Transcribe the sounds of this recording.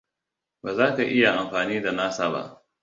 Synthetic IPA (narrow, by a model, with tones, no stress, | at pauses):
ba˨zaː˦ka˨ʔɪ˦ja˨ʔa˨mɸaː˨niː˦da˨naː˦saː˦ba̰˦ʔ